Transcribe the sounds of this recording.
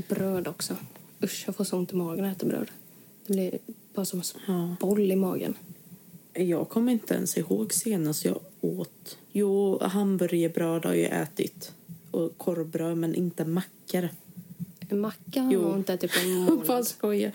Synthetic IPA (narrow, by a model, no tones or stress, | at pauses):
bɾœːd̪ɔksɔɵʂjafoːsʊnt̪ʰɪmɑːɡənɛːt̪abɾø̰ːd̪ | d̪̥ɛblɪɾb̥ɑːɾasɔmsɑːbɔlːɪmɑ̰ːɡə̰n | jɑːɡkʰɔmːəɾɪnt̪əɛ̰nsɪhoːɡseːnast̪jɑ̰ːoːt̪juːɦambœɾjəbɾøːd̪ha̰ɾjʉ̰ʔɛ̰ːt̪ɪ̰t̪ʔɔkʰɔɾbɾøːd̪mɛnʔɪnt̪əmakːaɾ | ɛnmakːahaɾuːɪnt̪əɛːt̪ɪt̪pʰɔfaskɔjːa